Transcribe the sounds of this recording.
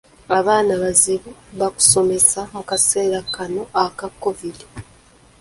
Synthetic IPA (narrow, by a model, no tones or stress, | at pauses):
aβaːnaβaziβuβaku̥so̞me̞samukase̞ːɾakano̞ʔakakːo̞vili